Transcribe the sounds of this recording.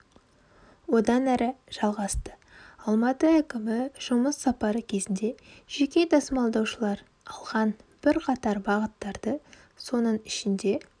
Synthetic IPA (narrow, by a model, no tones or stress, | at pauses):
wo̞d̪ɑnæɾʔɪʒ̥ɑlˠʁɑst̪ə | ɑlˠmɑt̪əækʲɪmɪʒ̥ʊməsːɑpɑɾəkʲʰe̞zɪnd̪e̞ʒ̥e̞kʲe̞d̪ɑsəmɑlˠd̪ɑwʃəlˠɑɾ | ɑlˠʁɑnb̥ɪɾqʰɑt̪ɑɾbɑʁət̪ːɑɾd̪̥ə | so̞nəɴɪʃɪnd̪e̞